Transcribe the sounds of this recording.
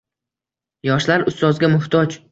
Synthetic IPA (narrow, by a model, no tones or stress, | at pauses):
jɒʃlaɾʊst̪ɒzɡʲamʊht̪ʰɒd͡ʒ